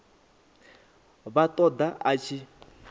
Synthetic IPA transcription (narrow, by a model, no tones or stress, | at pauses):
βat̪ʼɔd̪aat͡ʃʰi